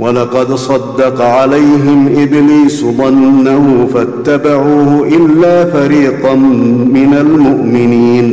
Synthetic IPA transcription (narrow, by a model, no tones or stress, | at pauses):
wɑlɑqɑd̪sˤɑd̪ːɑqɑʕalajɦɪmʔɪbliːsd̪ˤɑnːahʊfat̪ːabaʕuːhʊʔɪlːaːfaɾiːt̪ɑmɪnalmʊʔmɪniːn